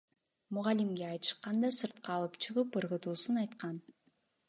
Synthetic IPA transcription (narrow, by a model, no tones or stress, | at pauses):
muʁɑlimɡeɑjt̪ɯ̥ʃqɑnd̪ɑsɯɾt̪̚qɑːlˠɯpt͡ʃʰɯʁɯpʰɯɾʁɯt̪uːsunɑjt̪qɑn